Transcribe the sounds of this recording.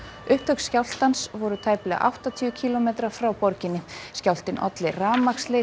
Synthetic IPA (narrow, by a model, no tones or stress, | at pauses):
ʏht̪hœkscjawl̥t̪ansvɔɾʏt̪ʰaːjplɛɣa̰ʔa̰wht̪at̪ʰʏʏcʰiːlɔmejt̪ɾḁfɾawpɔɾcɪnːɪscawl̥t̪ɪnʔɔ̰t̪lɪraːmakslɪ